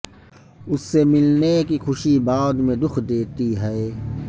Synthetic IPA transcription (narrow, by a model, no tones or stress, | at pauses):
ʊsːemɪlnekixʰʊʃibaːd̪mẽd̪ʊxʰd̪eːt̪iɦɛe